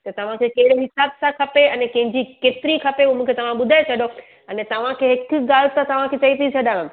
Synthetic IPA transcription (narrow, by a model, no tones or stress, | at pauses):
t̪ɐt̪ɐʋ̤ãkʰekɐɦɪɽeɦɪsaːbsãkʰɐpeɐnɛkɐ̃ɦɪ̃ɲd͡ʑikeːt̪ɪɾikʰɐpeuemũːkʰet̪ɐʋ̤ãɓʊd̪ʱaːet͡ɕʰɐɗo | ɛnɛt̪ɐʋ̤ãkʰeɦɪk̆ɡaːlt̪at̪ɐʋ̤ãkʰet͡ɕɐit̪ʰit͡ɕʰɐɗãʋ̃